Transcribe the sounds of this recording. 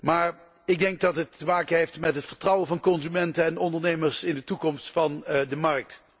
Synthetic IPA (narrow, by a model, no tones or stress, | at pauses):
maːɹ | ɪɡ̚dɛŋɡ̚dɑtɦətəmaːkənɦejftmɛtɦətfəɹtrɑwəvɑnkɔnzymɛntənɛnɔndəɹnejməɹsɪndətukɔmstfɑndəmɑɹk̚t